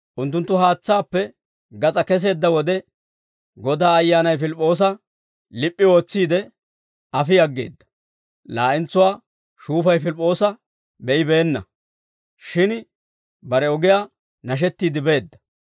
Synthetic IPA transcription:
ʔʊnt̪ːʊnt̪ːʊɦaːt͡sːaːpːɛ | ɡɐt͡sʼɐkɛs̬e̞ːd̪ːɐwɔd̪ɛ | ɡɔd̪aːɐjːaːnɐjfɪlpʼːo̞ːs̬ɐ | lɪpʼːɪo̞ːt͡sːiːd̪ɛ | ɐfɪjɐɡːe̞̰ːd̪ːɐ̥ | la̰ːʔɪnt͡sːʊwaː | ʃuːfɐjfɪlpʼːo̞ːsɐ | bɛʔɪbe̞ːnːɐ̰ | ʃɪn | bɐɾɛɔɡɪjaː | nɐʃ̬ɛt̪ːiːd̪ɪbe̞ːd̪ːɐ̥

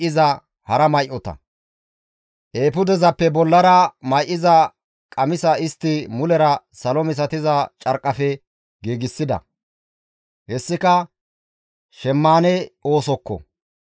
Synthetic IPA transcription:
ʔɪzɐ | hɐɾɐmɐjʔɔt̪ɐ̰ | ʔeːpʊd̪ɛzɐpːɛbɔlːɐɾɐmɐjʔɪzɐ | kʼɐmɪsɐɪst̪ːɪmʊlɛɾɐ | sɐlɔmɪs̬ɐt̪ɪzɐt͡ʃʼɐɾkʼːɐfɛ | ɡeːɡɪsːɪd̪ɐ̰ | hɛsːɪkɐ | ʃɛmːaːnɛo̞ːsɔkːɔ̰

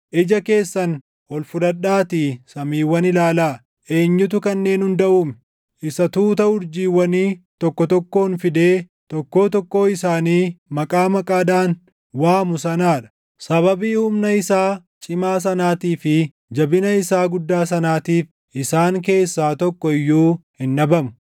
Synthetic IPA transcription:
ʔɪd͡ʒɐke̞ːsːɐn | hɔlfʊd̪ɐᶑaːt̪iːsɐmiːwːɐnɪlaːlaː | ʔe̞ːɲːʊt̪̬ʊkɐnːe̞ːnhʊnd̪ɐʔuːmɛ̥ | ʔɪsɐt̪uːt̪ɐʊɾd͡ʒiːwːɐniːt̪ɔkːɔt̪ɔkːo̞ːnfɪd̪e̞ː | t̪ɔkːo̞ːt̪ɔkːo̞ːɪsaːniːmɐkʼaːmɐkʼaːd̪aːn | waːmʊsɐnaːᶑɐ̥ | sɐβɐbiːhʊmnɐɪsaː | t͡ʃʼɪmaːs̬ɐnaːt̪iːfɪ | d͡ʒɐbɪnɐɪsaːɡʊd̪ːaːs̬ɐnaːt̪iːf | ʔɪsaːŋk̬e̞ːsːaːt̪ɔkːɔɪjːuːhɪnːɐbɐmʊ̥

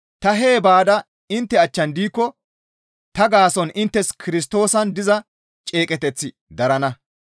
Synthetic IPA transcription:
t̪ɐɦeːbaːd̪ɐ | ɪnt̪ːɛɐt͡ʃːɐnd̪iːkːɔ | t̪ɐɡaːsɔnʔɪnt̪ːɛskʰɪɾɪs̬t̪o̞ːsɐnd̪ɪzɐ | t͡ʃʼe̞ːkʼɛt̪ɛt͡sːɪ | d̪ɐɾɐnɐ

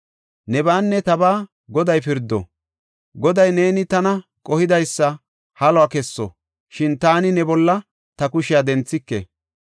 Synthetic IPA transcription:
nɛbaːnːɛt̪ɐbaː | ɡɔd̪ɐjpɪɾd̪ːɔ̰ | ɡɔd̪ɐjne̞ːnɪt̪ɐnɐkʼɔhɪd̪ɐjsːɐ | hɐlɔakɛsːɔ̰ | ʃɪnt̪aːnɪnɛbɔlːɐ | t̪ɐkʊʃɪjad̪ɛnt͡sːɪkːḛ

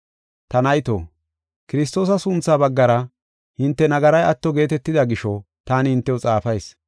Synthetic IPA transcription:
t̪ɐnɐjt̪o̰ː | kɪɾɪst̪o̞ːs̬ɐsʊnt͡sːaːbɐɡːɐɾɐ | hɪnt̪ːɛnɐɡɐɾɐjɐt̪ːɔɡe̞ːt̪ɛt̪ːɪd̪ɐɡɪʃɔ | t̪aːnɪhɪnt̪ːɛwʊt͡sʼaːfɐjs

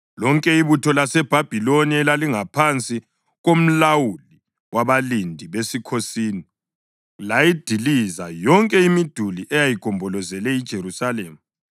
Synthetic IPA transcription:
lɔŋkʼɛiβutʰɔlasɛb̥ʱab̥ʱiloniɛlaliŋapʰant͡sʼi | ɣom̩lawuli | waβalindʱiβesikʰosiːni | lajid̥ʱilizajɔŋkʼɛimid̥ʱuliʔɛjajiɡ̥ʱɔmbʱɔlɔzɛlɛid̥ʒ̥ʱeɾusaleːmu

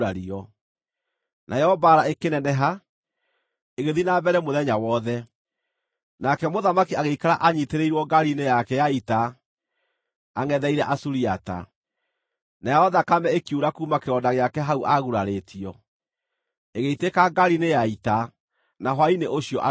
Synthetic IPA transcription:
aɾiɔ | najɛhɔbaːɾaekenɛnɛɦa | eɣeðinabɛɾɛmoðɛɲawɔːðɛ | nakɛmoðamakiaɣeikaɾaʔaɲiteɾeiɾwɔɡaɾinejakɛjaita | ŋɛðɛiɾɛʔasuɾiata̰ | najahɔðakamɛekiuɾakuːmakeɾɔdaɣeakɛɦauʔaɣuɾaɾetiɔ | eɣeitekaɡaɾinejaita | naɦwaineʔoɕiɔʔa

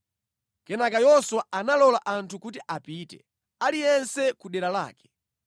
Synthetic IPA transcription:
kɛnakajɔswaanalɔlaʔantʰukutiʔapitɛ̰ | alijɛnsɛkuɗɛɾala̰ːkɛ̥

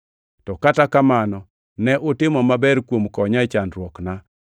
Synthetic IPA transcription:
tɔkatakamanɔ | nɛʔʊtɪmɔmabɛɾkwomkɔɲat͡ʃanɾwɔkna

